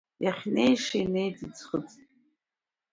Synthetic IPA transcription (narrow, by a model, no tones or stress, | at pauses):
jaχʲne̞jʂajnejtʰit͡sχət͡sʼ